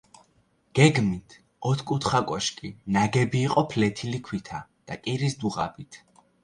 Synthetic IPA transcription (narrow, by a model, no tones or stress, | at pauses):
ɡ̥ɛɡmit̪ʰ | ɔt̪ʰkʼut̪ʰχakʼɔʃkʼinaɡɛbiːqʼɔpʰlɛt̪ʰilikʰwit̪ʰad̪̥akʼiɾisd̪uʁa̰bit̪ʰ